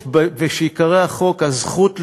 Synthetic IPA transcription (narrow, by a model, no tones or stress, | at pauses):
bveʃeikaʁeaχo̞kazχutl